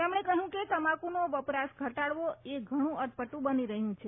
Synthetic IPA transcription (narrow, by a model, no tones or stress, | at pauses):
emɳ̃ekəɦjũket̪əmakunoʋəpɾasɡʱəʈaɽʋoeɡʱəɽ̃ũəɾ̚pəʈũbəniɾəɦjũt͡ʃʰe